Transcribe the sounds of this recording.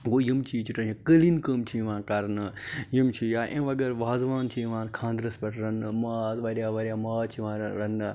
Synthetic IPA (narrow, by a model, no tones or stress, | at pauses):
ɡoːjimt͡ʃʰiːt͡ʃiʈɐĩkəlinkəːmt͡ʃʰiːʋãːnkɐɾnɨjimt͡ʃʰijaːʔẽʋɐɡɐɾʋaːzʋaːnt͡ʃʰiʋãːnkʰãːnd̪ɾɐspɐʈʰɾɐnmaːʋɐɾjaːʋɐɾʲjaːmaːt͡ʃʰiʋãːɾɐn